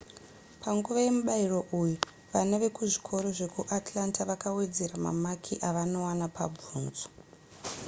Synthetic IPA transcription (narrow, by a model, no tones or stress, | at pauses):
paŋɡuʋaje̞muɓairo̞ʔuju | ʋanaʋe̞kuʐi̥kʰo̞ɾo̞ʐe̞kuʔatlantʰaʋakawe̞d͡ze̞ɾama̰makʰiʔaʋano̞wanapʰa̰b͡vuːnzo̥